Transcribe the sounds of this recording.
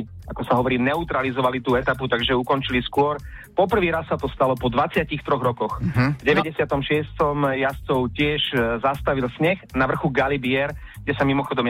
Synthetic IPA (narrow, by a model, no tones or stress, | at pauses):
akɔsaɦɔʋɔɾiːnɛut̪ɾalizɔʋalit̪uːɛt̪aput̪aɡʒɛukɔnt͡ʃiliskʊɔɾpɔpr̩ʋiːɾasːat̪ɔst̪alɔpɔd̪ʋat͡sɪacixt̪ɾɔɣɾɔkɔxvɟɛʋɛɟɛsɪat̪ɔmʃɪɛst̪ɔmjast͡sɔʊcɪɛʒzast̪aʋilsɲɛxnaʋr̩xuɡalibɪɛɾ | ɡɟɛsamimɔxɔd̪ɔm